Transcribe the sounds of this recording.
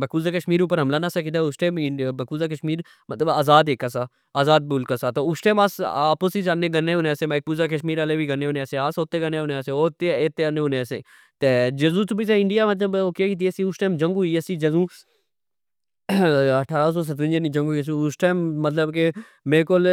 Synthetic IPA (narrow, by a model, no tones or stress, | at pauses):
bɐkuːzakɐʃmiːɾuːpəɾɦɐmlaːnasɐkit̪aʊsʈeːmɪbɐkuːzakɐʃmiːɾ | mɐt̪ləbaːzaːd̪eːkːasaː | aːzaːd̪̚buːlkasaːt̪oʊsʈeːmaːsaːposid͡ʒaːneɡɐnːeʊnesemɐk̚uːzakɐʃmiːɾaːlebʱiɡɐneuneseaːsoːt̪eɡɐneʊneseoːt̪ːeeːt̪ːeɐnːeʊnesḛ | t̪ed͡ʒɐzũːt̪ubiseɪɳɖijamɐt̪̬ləboːkekit̪̬iesiʊsʈeːmd͡ʒɐ̃ŋɡuːiɐsid͡ʒɐzũː | ɐʈʰaːɾas̬oːs̬ɐt̪ʋɪ̃nd͡ʒənid͡ʒɐ̃ŋɡus̬iʊsʈeːmːɐt̪ləbke | meːkol